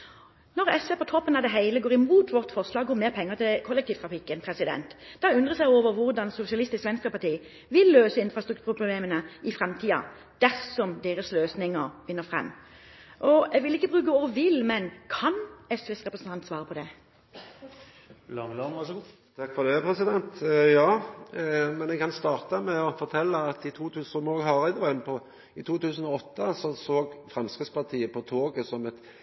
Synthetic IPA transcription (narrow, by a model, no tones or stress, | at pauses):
nɔɾɛsʋeːpʰɔt̪ʰɔpːənɑd̪ɛɦæɪləɡoːʁɪmuːt̪ʰʋɔʁt̪fɔʁʂlɑːɡuːmeːʁpʰɛŋːət̪ʰɪkʰɔlːɛk̚t̪iːʋt̪ʰʁɑfɪkːənpʰɾɛsɪd̪ɛ̰nt̪d̪̥ɑʉnd̪ʁəsɛɪoːʋəɾʋʊʁd̪ɑnsʊsɪɑlɪst̪ɪskʋɛnskəpʰɑt̪ʰiː | ʋɪlːøːsəɪnfɾɑst̪ɾʉkt̪ʰʉyːɾpʰʊbleːmənəɪfʁɛmt̪ʰiːɑ̰ | d̪̥æʁsɔmd̪eːʁəsløːsnɪŋːəɾfɪnːəfʁɛ̰mː | ʔɔɛʋɪlɪkːəbʁʉːkəɔːʋɪlmɛnkʰɑnɛsʋɪsʁɛpɾəsnt̪ɑnt̪sʋɑːɾəpʰɔd̪ɛ | lɑ | t̪ʰɑkfɔd̪ɛpʰɾɛsɪd̪ɛnt̪jɑː | mɛnɛɡkɑnst̪ɑːʁt̪əmɛɔfɔɾt̪ʰɛlːəɑt̪ɪt̪ʰuːt̪ʰʉːsmoɡɦɑʁɛd̪ʋɑnpʰɔ | ɪt̪ʰuːt̪ʰʉːsən̩ɔɔt̪ːəsɔsoːɡfʁɛmskɾɪspɑʁt̪ʰiːəpʰɔt̪ʰoːɡəsɔmɛt̪